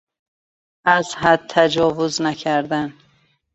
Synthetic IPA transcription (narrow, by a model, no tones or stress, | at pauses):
æzhad̪̚t̪ʰæd͡ʒɒːvuznækʰæɾd̪æn